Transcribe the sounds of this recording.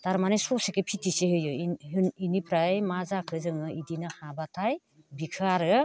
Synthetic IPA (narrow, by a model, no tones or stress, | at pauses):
d̥aɾmanesɔsekepʰitʰisehɯjɯiɦɯninipʰɾajmazakʰɯzɯŋɯidinɯhabatʰaj | bikʰaɾɯ